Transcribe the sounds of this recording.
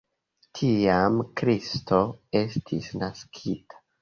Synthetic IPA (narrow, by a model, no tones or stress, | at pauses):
tʰiamkɾisto̞e̞stʰisnaskʰitʰḁ